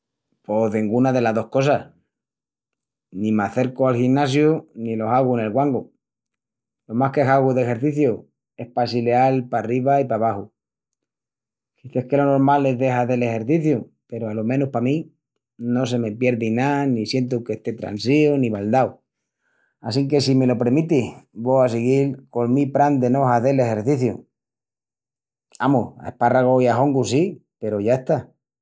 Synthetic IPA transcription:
po̞ðiŋɡunaðe̞laððo̞hko̞sas | nĩmaθe̞ɾkoalxinnːasjunilo̞saɣune̞lɣwaŋɡu | lo̞mahkesaɣuðe̞xe̞ɾθiθju | e̞hpasile̞alpariβaipaβaxu | kiθe̞hke̞lo̞no̞ɾmale̞ðe̞xaðe̞le̞xe̞ɾθiθju | pe̞ɾoalomẽ̞nuhpamĩ | no̞s̬e̞me̞pje̞ɾðinanisje̞nt̪̬uke̞ht̪e̞t̪ɾa̰nsioniβald̪aw | asiŋke̞sime̞lo̞pɾemit̪ihβoas̬eɣilko̞lmipɾand̪e̞no̞ɦaθele̞xe̞ɾθiθjṵ | amuha̰ehparaɣ̞oiaɦo̞ŋɡusipe̞ɾoʝae̞st̪a

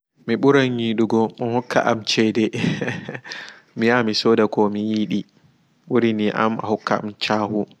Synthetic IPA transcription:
miɓuɾanjiːɗuɡɔmɔhɔkʰːa̰ʔamt͡ʃɛdɛ | miamisoːdakɔmijiːɗi | ɓuɾiniʔa̰ma̰hɔkːaa̰mt͡ʃaːhu

